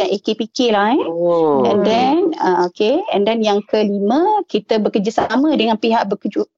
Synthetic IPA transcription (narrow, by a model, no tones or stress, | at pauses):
anʔekepikɪlahɛɛndɛnəokeɛndɛnjaŋkəlimə̃kit̪əbəkəd͡ʒasamə̃dəŋãnpiɦaʔbəkəd͡ʒuʔ